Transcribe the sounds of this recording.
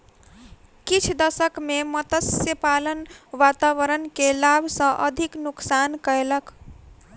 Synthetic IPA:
kit͡ʃʰd̪əsəkmemət̪əsjəpalənʋat̪aʋəɾənkelabʱsə̃ʔə̰d̪ʱiknuksankəelək

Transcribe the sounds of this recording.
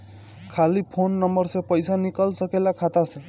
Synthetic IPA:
kʰalipʰonːʌmbʌrsẽpʌjsanikʌlsʌkelakʰat̪asʰʌ̃

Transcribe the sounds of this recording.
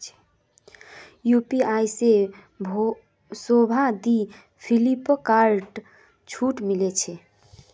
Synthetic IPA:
t͡ʃʰɛ̥ | jupiajse | bʱo | sobʱad̪i | pʰilipkaɾʈ | t͡ʃʰuʈmilet͡ʃʰɛ

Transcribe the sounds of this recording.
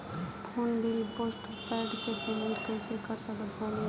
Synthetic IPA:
pʰunbʱilposʈ | pɛɖkepumiɾkəɪsekəɾsəkət̪ɦone

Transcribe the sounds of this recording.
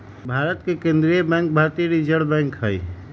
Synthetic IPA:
bʱaɾət̪kekẽnd̪ɾijəbɛ̃ŋk̚bʱaɾt̪iɾid͡ʒəɽbɛ̃ŋkɦəj

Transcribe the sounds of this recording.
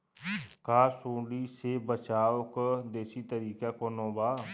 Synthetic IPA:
kaːsoːɖiːseːbət͡ʃaːʊkd̪eːsiːt̪əɾiːkaːkoːnõːbaː

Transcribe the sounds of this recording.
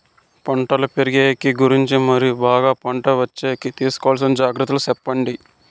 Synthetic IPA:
pɐɳʈɐlɐpeɾiɡeːjɐkiɡuɾiɲt͡ʃimɐɾijubaːɡaːpɐɳʈɐʋɐt͡ʃːeːjkit̪iːsu̥kɔʋals̬ɐmd͡ʒaːɡɾɐt̪ːulɐusɛpːɐɳɖi

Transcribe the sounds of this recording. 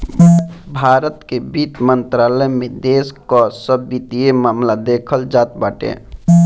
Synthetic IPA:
bʱaːɾət̪kebit͡ʃ̪mənt̪ɾaːləjmẽd̪eːskɔsəbit̪iemaːmlad̪ekʰəld͡ʒaːt̪baːʈḛː

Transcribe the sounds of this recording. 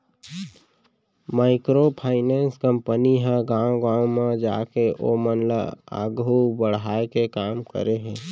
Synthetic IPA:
maːɪkɾopʰaːɪnɛːnskə̃mpəniɦãɡãːwɡãːwmẽd͡ʒa̰ːkeʔomənla̰a̰ːɡɦubəɽ̤ɦaːekekaːmkə̰ɾeɦɛ̃ː

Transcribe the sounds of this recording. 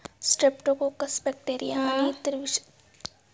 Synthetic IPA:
sʈɾɪpʈõkokɐsbɛk̚ʈeːɾijamɐnit̪ɪɾʋɪʃ

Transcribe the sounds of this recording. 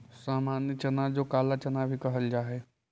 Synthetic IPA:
saːmaːnjət͡ʃɐnaːd͡ʒokaːlat͡ʃɐnabʱikɐɦəld͡ʒaːɦe

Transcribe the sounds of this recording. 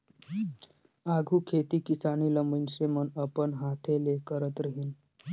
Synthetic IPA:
aɡʱuːkʰet̪iːkisañiləmənsemənəpəɳɦat̪ʰelekəɾət̪ɾəɦiːn

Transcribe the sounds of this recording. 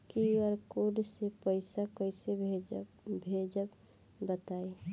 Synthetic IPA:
kiəɾkoɖsepəɪsakəjse | bʱed͡ʒək | bət̪ai

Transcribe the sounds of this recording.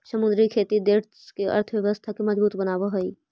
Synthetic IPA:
səmʊ̃nd̪ɾikʰeːt̪id̪eːɾ | keʔɐ̰ɾt̪ʰəʋjɐʋəst̪ʰakimɐd͡ʒbuːt̪bənaːʋaɦoiː

